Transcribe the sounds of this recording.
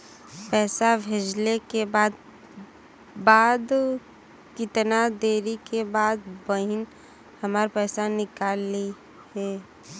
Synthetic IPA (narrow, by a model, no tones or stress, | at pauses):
pɛːsabʱeːd͡ʒlekebaːd̪̚ | baːd̪ | kɪt̪nad̪eːɾikebaːd̪̚bəɦɪn | hɐmaːɾpɛːsanɪkaːli | ɦɛː